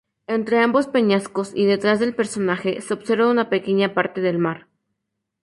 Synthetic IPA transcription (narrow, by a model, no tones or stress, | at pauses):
ent̪ɾe̞ambo̞spe̞ɲasko̞sḭðe̞t̪ɾazðelpe̞ɾso̞naxe̞seobseɾβaunape̞ke̞ɲapaɾt̪eðelmaɾ